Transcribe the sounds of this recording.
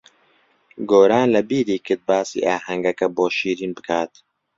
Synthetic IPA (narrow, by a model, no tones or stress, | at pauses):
ɡoːɾaːnlɐbiːɾiːkʰɨɾt̪̚baːsḭːʔaːɦɐŋɡɐkɛboːʃiːɾiːnbɨkʰaːt̪